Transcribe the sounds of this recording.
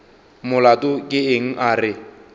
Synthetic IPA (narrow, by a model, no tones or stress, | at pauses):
mʊlatʼʊkʼɪeŋ̩ʔarɪ